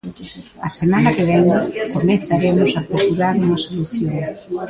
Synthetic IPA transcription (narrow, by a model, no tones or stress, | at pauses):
asemanakeβeŋkomẽnθaɾemʊsapɾesuɾaɾuŋɐsoluθjoŋ